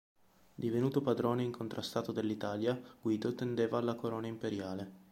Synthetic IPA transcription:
d̪ivenuːt̪opad̪ɾoːneiŋkʰont̪ɾʔast̪aːt̪od̪elːit̪aːljaɡ̥wiːd̪ot̪end̪eːvaːlːakoɾoːnaimpeɾjaːle

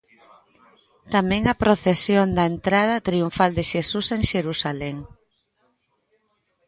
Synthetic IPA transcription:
t̪amɛ̃ŋɐpɾoθesjond̪ɐent̪ɾað̞ɐt̪ɾiuɱfald̪eʃesuseŋʃeɾusaleŋ

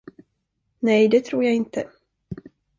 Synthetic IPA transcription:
nɛjd̪ɛt̪ʰɾuːɾjaːɪnt̪ə

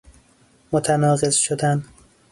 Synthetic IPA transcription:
mot̪ʰænɒːɣez̥ʃod̪æn

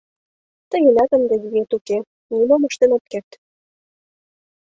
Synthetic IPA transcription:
t̪ə̆jĕlʲɑt̪ə̆nd̪ĕzijet̪uke | nimomɤ̆ʃt̪enɑt̪kert̪

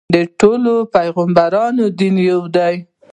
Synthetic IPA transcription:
d̪əʈolopajɣambaɾɑnod̪injawd̪aj

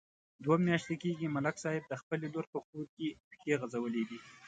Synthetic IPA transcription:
d̪wamjɑʃt̪ekeɡimalaksɑjɪb̚d̪əxpəleloɾpəkuɾkepə̥keɣazawəled̪i

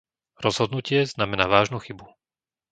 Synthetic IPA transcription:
ɾɔzɦɔd̪nucɪɛznamɛnaːʋaːʒnuxibu

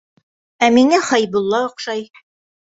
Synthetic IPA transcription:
æmiŋæχɑjbŭlˠːɑŏqʃɑj

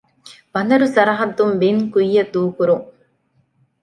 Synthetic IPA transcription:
bɐnɐɾusɐɾɐɦɐd̪ːumbiŋkujːɐd̪uːkuɾuŋ

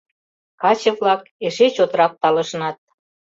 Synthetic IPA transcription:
kɑt͡ɕə̆βlɑkeʃet͡ɕot̪əɾɑk̚t̪ɑlə̆ʃnɑt̪̚

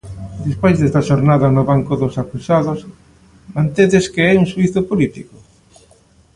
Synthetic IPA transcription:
d̪ispojzðest̪ɐʃoɾnaðɐnʊβaŋkʊðʊsakusaðos | mãnt̪eðeskeɛuŋswiθʊpolit̪iko

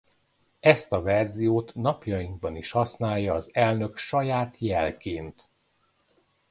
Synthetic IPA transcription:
ɛst̪ɒvɛrzijoːt̪nɒpjɒjiŋɡ̚bɒniʃhɒsnaːjːɒːzɛlnø̞kʃɒjaːt̪jɛlkeːnt̪

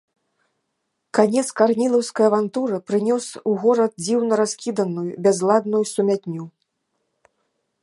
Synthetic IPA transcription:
kanʲɛt̪skarnʲilˠɐwskɐjɐvant̪uɾɐpɾɨnʲɔsuɣɔɾɐt̪̚d͡zʲiwnɐɾaskʲid̪ɐnujubʲazlˠad̪nujusumʲat̪ʲnʲu

